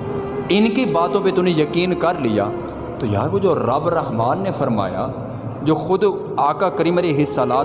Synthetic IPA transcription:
ɪnkibaːt̪õːpet̪ʊnẽjɐkiːnkəɾlɪja̰ː | t̪oːja̰ːɾkod͡ʒoːɾɐbɾəɦmaːnːefʰəɾma̰ːja̰ː | d͡ʒoːxʊd̪ | aːkaːkəɾimɾeɦɪsaːlaː

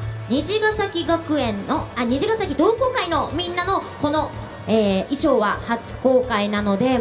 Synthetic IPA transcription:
ɲ̟iʑiɡasakʲiɡakɯ̟ẽ̞nːoaɲ̟iʑiɡasakʲid̪o̞ːko̞ːkaino̞mʲĩnːano̞ko̞no̞ | eːiɕo̞ːβahat͡sɨ̥ko̞ːkainano̞d̪e̞

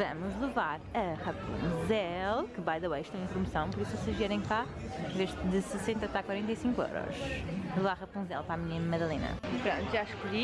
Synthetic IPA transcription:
vɐmuʒlˠɨvaɾɐʁɐpṵ̃zɛlˠkɨbajðɐwɐjʃt̪aẽpɾumɨsɐ̃w̃pɔɾisuvɔseʒviɛɾɐ̃j̃ka | ẽveʒd̪ɨsɨsẽnt̪ɐt̪akwɐɾẽnt̪ɐjsĩŋkwḛwɾɔ̰ʃlˠɨvaɾɐʁɐpũzɛ̰lˠpɾamiɲɐmɐðɐlˠenɐ̰pɾõnt̪uʒaʃkuʎi

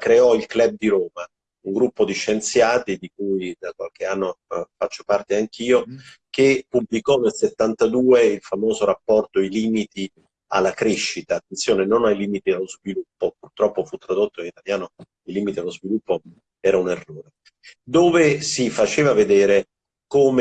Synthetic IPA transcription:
kɾeɔilklɛb̚d̪iɾoːma | uŋɡɾupːod̪iʃːent̪sjaːt̪id̪ikuːjd̪akwa̰lk̟eanːofat͡ʃːo̥part̪eaŋk̟ʰiːo | kepːublikɔnelset̪ːant̪ad̪uːeilfamoːzoɾapːɔrt̪oiliːmit̪i | a̰lːakɾeʃːit̪aːt̪ːent̪sjoːnenonajliːmit̪ialːozvilupːopurt̪ɾɔpːofut̪ːɾad̪ot̪ːoinit̪aljaːno | ilːiːmit̪ialozvilupːo | ɛːɾaunerːoːɾe | d̪oːvesifat͡ʃeːvaved̪ɛːɾe | koːm

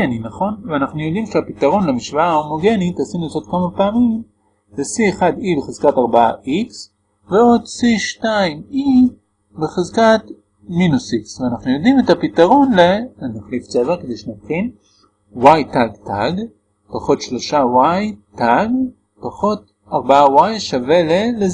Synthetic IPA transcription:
eninaχo̞nveanaχnujo̞d̪imʃeapit̪aʁo̞nlemiʃvaaomo̞ɡe̞nit̪asinusot̪kamapaːmim | desieχad̪ibeχezkataʁbaaʔiks | veo̞d̪siʃtaimi | beχezkat | minusiksveanaχnujod̪imetapit̪aʁo̞nlenaχlift͡sevekedejʃenatχin | wajtaɡtaɡ | paχo̞tʃlo̞ʃawajtaɡ | paχo̞t̚ | aʁbaawajʃavelele

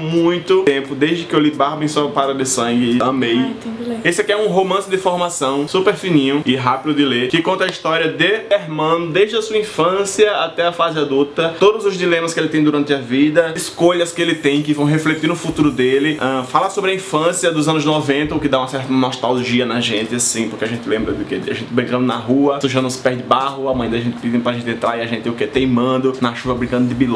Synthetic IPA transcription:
mũj̃t̪ʊt̪ẽpʊd̪ejzd̪ɪkɪewlibaɾbẽj̃sɔpaɾɐd̪ɪsɐ̃ɡɪɐ̃mej̪esɪɛkɪɛũɦomɐ̃sɪd̪ɪfoɾmasɐ̃w̃supeɾfĩnĩɲʊɪɦapid̪ʊd̪ɪleɾkɪkõnt̪ɐaiʃt̪ɔɾiɐd̪ɪeɾmɐ̃nʊd̪ejʒdɪdɐsuɐĩfɐ̃siɐat̪ɛɐfazɪad̪ult̪ɐt̪od̪ʊzʊzd̪ilẽmɐskɪelɪt̪ẽj̃d̪uɾɐ̃nt̪ɪɐvid̪ɐiskoʎɐskɪelɪt̪ẽj̃kɪvɐ̃w̃ɦeflet̪iɾnʊfut̪uɾʊd̪elɪɛ̃falasobɾɐĩfɐ̃sjɐd̪ʊzɐ̃nʊznɔvẽnt̪ɐʊkɪd̪aũɐsɛɾt̪ɐnɔst̪alʒiɐnɐʒẽnt̪ɪasĩpoɾkeaʒẽnt̪ɪlẽmbɾɐd̪ʊkḛaʒẽnt̪ɪbɾĩkɐ̃nd̪ʊnɐɦuɐsuʒɐ̃nʊ̃spɛzd̪ɪbaɦʊɐmɐ̃j̃d̪aʒẽnt̪ɪvivẽj̃pɾaʒẽnt̪ẽnt̪ɾaɾiaʒẽt̪t̪ɪʊket̪ejmɐ̃nd̪ʊnɐʃuvɐbɾĩkɐ̃d̪ʊd̪ɪbil̃

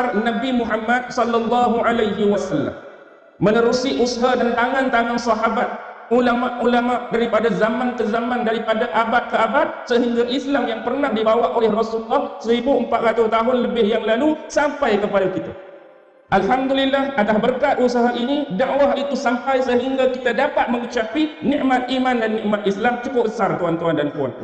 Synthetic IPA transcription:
arnabimuɦamːad̪̚sɔlːalːɑɦuʕalajɦiwasalːa̰mː | ənəɾusiʔusɦadant̪aŋãnt̪aŋãnsɑɦabat̪̚ulamaʔulamaʔdaɾipadazamank̪ərzamandaɾipadaʔabat̪̚kəabat̪̚səɦiŋɡaʔislamjaŋpərnahdibawaʔolɛhrɑsulːɑhsəɾibuəmpat̪̚ɾat̪ʊst̪aɦʊnləbɪhjaŋlalusampajkəpadakit̪a | ʔalɦamdulilːahat̪asbərkat̪̚usaɦaʔinidaʔwaɦit̪usampajsəɦiŋɡakit̪adapat̪̚məŋit͡ʃapinĩʔmat̪̚imandanːiʔmat̪̚islamt͡ʃukʊbəsart̪uant̪uandant̪ua̰n

